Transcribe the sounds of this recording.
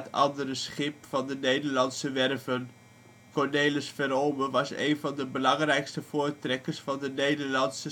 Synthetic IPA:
tɑ̰ndərəsχɪp̚fɑndənejdəɹlɑntsəʋɛrvən | kɔɹnejləsfɛɾowməʋɑsḛjnvɑndəbəlɑŋrɛjkstəv̥ʊːɹtrɛkəɹsfɑndənejdəɹlɑnsə

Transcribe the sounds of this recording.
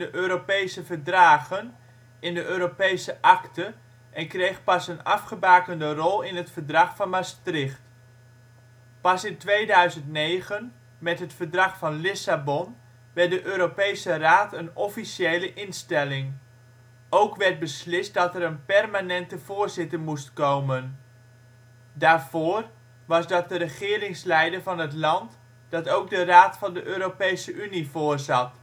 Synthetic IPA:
dəʔøːɾopejsəvədraːɣən | ɪndəʔøːɾopejsəʔɑktə | ʔɛnkrejχpɑsənɑfχəbaːkəndərɔlˠɪnɦətfəɹdrɑχfɑnmastrɪχt | pɑsɪntʋejdœɥzəntnejχən | mɛtɦətfəɹdrɑχfɑnlɪsabɔn | ʋɛɹdəʔøːɾopejsəraːtʰənɔfisjejləʔɪnstɛlɪŋ | owkʋɛrt̚bəslɪst̚dɑtɛɾənpɛrmanɛntəv̥oːrzɪtəmustkowmən | daːrv̥oːr | ʋɑsdɑt̚dərəχɪːrɪŋslɛjdərvɑnɦətlɑnt | d̥ɑtowɡ̚dəraːtfɑndəʔøːɾopejsəʔynivoːrzɑt

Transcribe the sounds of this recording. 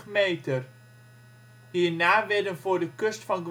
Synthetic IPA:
mejtər | hiːɹnaːʋɪdənvʊːɹdəkøstfɑnɡʋ

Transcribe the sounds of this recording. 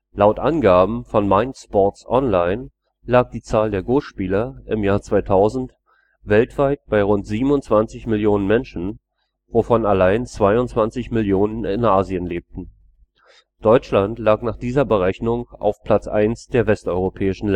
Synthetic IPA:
laʊtʔanɡaːbm̩fɔnmaɪntspɔtsʔɔnlaɪn | laːk̚d̥iːt͡saːldeːɐɡoːʃpiːlɐʔɪmjaːɐt͡sv̥aɪtʰaʊzn̩t | vɛltv̥aɪt̚b̥aɪʁʊntz̥iːbm̩ʊnt͡sv̥ant͡sɪçmɪljoːnənmɛnʃn̩ | vofɔnalaɪnt͡sv̥aɪʊntt͡sv̥ant͡sɪçmɪljoːnənɪ̰nʔaːziənleːp̚tn̩ | d̥ɔʏt͡ʃlantlaːknaːχd̥iːzɐbəʁɛçnʊŋʔa̰ʊfpʰl̥at͡sʔa̰ɪnsd̥eːɐvɛstʔɔʏʁopʰɛːɪʃn̩lɛ

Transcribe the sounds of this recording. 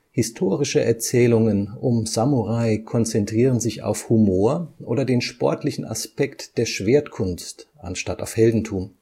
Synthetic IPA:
hɪstʰoːʁɪʃəʔɛɐt͡sɛːlʊŋənʊmzamuʁaɪkʰɔnt͡sɛntʁ̥iːʁənzɪça̰ʊfhumoːɐʔoːdɐdeːnʃpɔ̰ɐtʰlɪçn̩a̰spʰɛktd̥eːɐʃv̥eːɐtkʰʊnstʔa̰nʃtataʊfhɛldn̩tʰuːm

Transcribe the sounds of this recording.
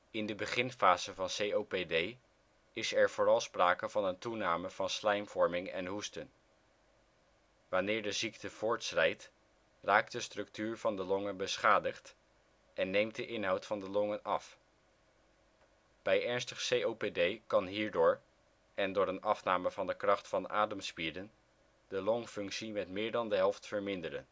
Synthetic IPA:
ɪndəbəχɪnfaːz̥əvɑnsejowpedej | ɪsɛɹv̥ʊːrɑlˠspraːkəvɑnəntunaːməv̥ɑnslɛjmv̥ɔɹmɪŋɛ̰nɦustən | ʋanɪːɹdəziktəv̥ʊːɹtsrɛjt | raːk̚dəstrɵk̚tyːɹv̥ɑndəlɔŋənbəsχaːdəχt | ʔɛnːejmt̚dəʔɪnɦɑwtfɑndəlɔŋənɑf | b̥ɛjɛɹnstəχsejowpedejkɑnɦiːɹdʊːɹ | ʔɛndʊːɾənɑfnaːməvɑndəkrɑχtfɑna̰ːdəmspidən | d̥əlɔŋfɵŋksimɛtmɪːɹdɑndəɦɛlˠftfəɹmɪndəɾə̰n

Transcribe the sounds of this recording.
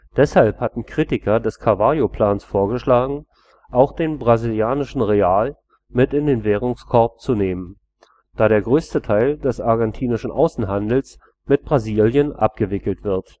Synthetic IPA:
d̥ɛshalphatn̩kʁ̥iːtɪkɐdɛskʰavaːjopl̥aːnsfoːɐɡəʃlaːɡŋ̩ | ʔaʊxd̥eːnbʁaziljaːnɪʃn̩ʁeaːl | mɪtɪndeːnvɛːʁ̞ʊŋskʰɔɐp̚t͡suneːmən | d̥aːɾeːɐɡʁøːstətʰaɪldɛsaɐɡɛntʰiːnɪʃn̩ʔa̰ʊsn̩ɦandl̩s | mɪt̚b̥ʁaziːljənʔa̰p̚ɡ̥əvɪkl̩tv̥ɪɐt

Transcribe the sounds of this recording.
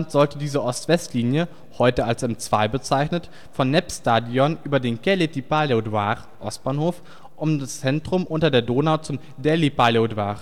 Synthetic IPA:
ntz̥ɔltədiːzəʔɔstv̥ɛstliːnjə | hɔʏtəalsɛmt͡sv̥aɪbət͡saɪçnət | fɔnːɛpstaːdiɔnʔyːbɐdeːnɡɛletipalodwaːʁ | ʔɔ̰st̚b̥aːnhoːf | ʔʊmdast͡sɛntʁ̥ʊmʔʊntɐdeːɐdoːnaʊt͡sʊm | dɛlipalodwaːʁ

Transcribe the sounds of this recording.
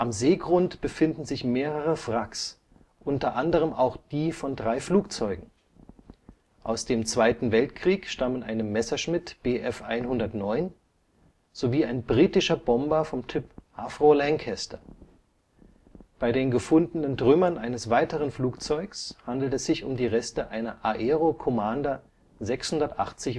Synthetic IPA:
ʔamzeːɡʁʊntb̥əfɪndn̩zɪçmeːʁəʁəfʁ̥aks | ʔʊntɐʔandəʁ̞əmʔaʊxd̥iːfɔndʁaɪfluːk̚t͡sɔʏɡŋ̩ | ʔaʊsd̥eːmt͡sv̥aɪtn̩vɛltkʁ̥iːkʃtamənʔaɪnəmɛsɐʃmɪtb̥eːʔɛfʔa̰ɪnhʊndɐtnɔʏn | z̥oviːaɪnbʁiːtɪʃɐbɔmbɐfɔmtʰʏpʔafʁ̥olɛŋkʰɛstɐ | b̥aɪdeːnɡəfʊndənəndʁʏmɐnʔaɪnəsv̥aɪtəʁənfluːkt͡sɔʏkshandl̩tɛsz̥ɪçʊ̰mdiːʁɛstəʔaɪnɐʔaʔeːʁokʰɔmanda | zɛkshʊndɐtʔa̰χt͡sɪç

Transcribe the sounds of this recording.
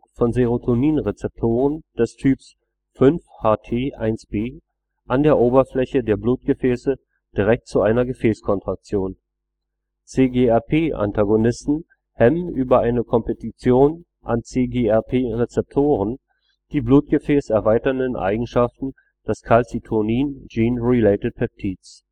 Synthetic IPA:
fɔnzeʁ̞otʰoniːnʁet͡sɛp̚tʰoːʁənd̥ɛstʰyːps | fʏnfhaːtʰeːʔaɪnsb̥eː | ʔandeːɐʔoːbɐflɛçədeːɐbluːt̚ɡ̥əfɛːsə | d̥iʁɛk̚tt͡suʔaɪnɐɡəfɛːskʰɔntʁ̥ak̚t͡sjoːn | t͡seːɡeːɛɐpʰeːʔa̰ntʰaɡonɪstn̩ | hɛmənʔyːbɐʔaɪnəkʰɔmpetit͡sjoːn | ʔa̰nt͡seːɡeːɛɐpʰeːʁet͡sɛp̚tʰoːʁ̞ən | d̥iːbluːt̚ɡ̥əfɛːsɛɐvaɪtɐndənʔa̰ɪɡŋ̩ʃaftn̩ | d̥ɛskʰalt͡sitʰʊniːnd͡ʒiːnʁileɪtət̚pʰɛp̚tʰiːts

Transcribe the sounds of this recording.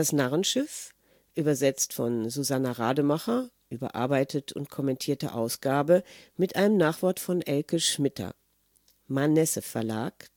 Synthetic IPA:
d̥asnaʁənʃɪf | ʔyːbɐzɛt͡stfɔnzuzanaʁa̰ːdəmaχɐʔyːbɐ̰ʔa̰ɐbaɪtʰətʰʊ̰ntkʰɔmɛntʰiːɐtə̰ʔaʊsɡ̥aːbəmɪtʔaɪnəmnaːχv̥ɔɐtfɔnʔɛlkəʃmɪtʰɐ̰ | manɛsəfɛɐla̰ːk

